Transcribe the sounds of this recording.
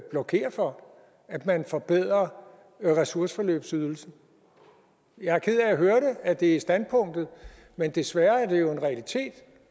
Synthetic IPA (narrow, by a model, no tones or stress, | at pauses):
b̥lɒ̽kʰe̝̰ːɐfɒ̽ | æd̥mænfɒ̽b̥eð̞̰ˠʁɐ | ʁɛsuɐsə̥fɒ̽lø̰ːb̥syðˠl̩sn̩ | jɑ̈kʰið̰ˠææɦøɐɾeæd̥e̝isd̥æn̥̚pʰɔ̽ŋ̰d̥ð̩ˠ | mend̥e̝sʋæːɐæɐde̝jo̝e̝nʁɛælit͡sʰe̝̰ːd̥